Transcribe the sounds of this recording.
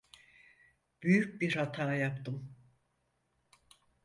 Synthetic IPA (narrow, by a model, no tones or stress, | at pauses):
b̥yjyc̚biɾhat̪ʰaːjapt̪ʰɯm